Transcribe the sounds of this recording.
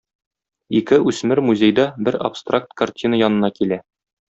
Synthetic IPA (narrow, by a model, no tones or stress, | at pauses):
ikɘʔʉsmɘɾmuzʲejd̪ɑbɘɾɐ̰pst̪rak̚t̪kɐrtʲʰinəjɒnɤ̆nɑkilæ